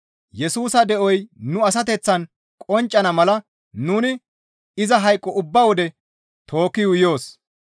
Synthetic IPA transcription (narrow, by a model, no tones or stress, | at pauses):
jɛsuːsɐd̪ɛʔɔjnʊɐs̬ɐt̪ɛt͡sːɐn | kʼɔnt͡ʃʼːɐnɐmɐlɐ | nuːnɪ | ɪzɐɦɐjkʼːɔʔʊbːɐwɔd̪ɛ | t̪ʰo̞ːkːɪjʊjo̞ːs